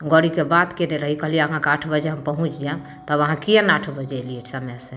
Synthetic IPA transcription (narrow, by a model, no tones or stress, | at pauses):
ɡɔɽikebat̪keneɾəɦikəɦlijeəɦãkaʈʰbəd͡ʒeɦəmpəɦũt͡ʃʰjã | t̪əbəɦãkijãnaʈʰbəd͡ʒɛlieʈʰsəmɛsẽ